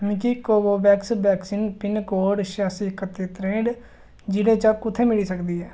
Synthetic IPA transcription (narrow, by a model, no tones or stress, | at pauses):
mĩːkiːkoːboːbɛːksbɛːksiːnpɪnkoːɖʃaːsiːkət̪ːeːt̪ɾẽːɳɖ | d͡ʒɪɽẽːt͡ʃəkʊt̪ʰːeːmɪɽiːsəkd̪iːɦɛː